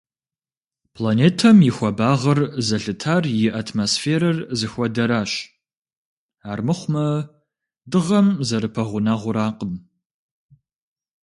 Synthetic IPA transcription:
pʰlaneːtʰɐmjɪxʷɐbaːʁɐrzɐɬɨtʰaːrjɪʔatʰmoːsfeːɾɐrzɨxʷɔdɐɾaːɕ | aːrmɨχʷmɐ | dɨʁɐmzɐɾɨpʰɐʁʷʊnaːʁʷʊɾaːqəm

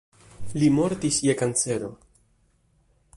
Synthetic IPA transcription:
limo̞ɾt̪isjekant͡se̞ɾo̞

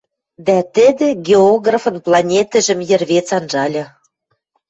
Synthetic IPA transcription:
d̪æt̪ɘ̆d̪ɘ̆ɡʲeoɣrafɤ̆nplˠɑnʲet̪ə̆ʒɘ̆mjɘ̆rβet͡sɑnʒɑlʲɤ̆

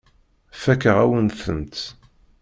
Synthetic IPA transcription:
fækəʁæwənθənt̪

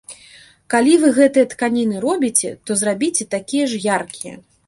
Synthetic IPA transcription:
kalʲivɨɣɛt̪ɨjɐt̪kanʲinɨɾɔbʲit͡sʲɛ̰t̪ɔzrabʲit͡sʲɛt̪akʲijɛʐjarkʲijɛ̰

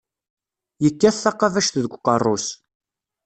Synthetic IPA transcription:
jəkːæθːɑqːɑvæʃθðəɡʷqərˤːʊs

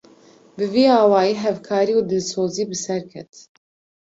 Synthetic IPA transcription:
bɨviːɑːwɑːjiːɦɛvkʰɑːɾiːuːd̪ɨlsoːziːbɨsɛɾkʰɛ̰t̪

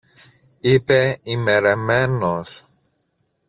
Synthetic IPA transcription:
ipeimeɾemenos

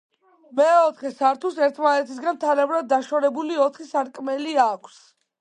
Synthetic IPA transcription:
mɛɔt̪χɛsaɾt̪ʰusɛɾt̪ʰmanɛt̪ʰis̬ɡanmt̪ʰalɛbɾad̪̚ːaʃɔɾɛbuliɔt̪χisaɾkʼmɛliakʷʰs

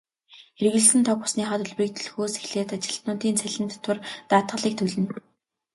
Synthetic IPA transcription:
erɣɘ̆ɮsɘ̆nt̪ʰɔkpʊ̥sniːχaːt̪ɵɮwriːk̚t̪ʰɵ̆ɮxoːsexɮeːt̪at͡ɕɪ̆ɬt̪nʊːt̪iːnt͡sʰæɮɘ̆nt̪ːʰʊ̆rt̪aːt̪ʁə̆ɮiːk̚t̪ʰɵɮɘ̆n

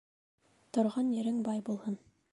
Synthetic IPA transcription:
t̪ŏɾʁɑnjɘ̆ɾɘŋbɑjbulˠhɤn

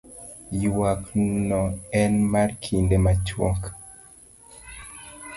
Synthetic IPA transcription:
jwaknɔɛnmarkʰindemat͡ʃwɔ̰k

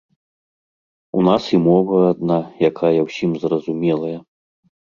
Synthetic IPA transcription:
unasimɔvɐːd̪najakʰajɐwsʲimzrɐzumʲɛlˠɐjɐ

